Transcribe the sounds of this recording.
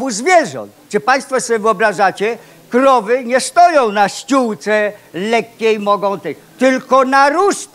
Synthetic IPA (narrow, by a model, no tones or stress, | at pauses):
buzvʲjɛʐɔ̰̃nt̪t͡ʂɘpaj̃st̪fɔsɔbʲɛvɘɔbɾaʐat͡ɕɛ | kɾɔvɘɲɛst̪ɔjɔ̃w̃naɕt͡ɕuwt̪sɛlɛkʲːejmɔɡɔ̃w̃t̪ɛ | t̪ɘlkɔnaɾuʂ